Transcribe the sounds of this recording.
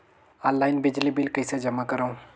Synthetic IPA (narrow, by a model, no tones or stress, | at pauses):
ɔːnlaːɪnbɪd͡ʒlibɪlkɐised͡ʒɐmakɐɾaũ